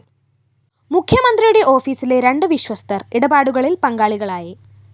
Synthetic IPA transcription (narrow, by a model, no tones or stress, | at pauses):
mukʰjɐmɐnd̪rijuɽe̞ʔo̞ːfiːsile̞ɾeɳɖɨʋiɕwɐst̪ɐriɽɐbaːɽuɣɐɭilpɐŋɡaːɭiɣɐɭaːjɐ